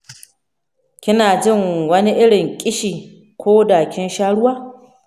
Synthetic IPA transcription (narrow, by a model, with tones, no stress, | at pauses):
kʲɪ˦naː˨d͡ʒɪ˦˨ŋwɐ˦ni˦ʔɪ˦ɽɪ˨ŋkʲʼɪ˦ʃiː˨ | kʷoː˦daː˨kʲɪ˦nʃaː˦ɽʊ˦waː˦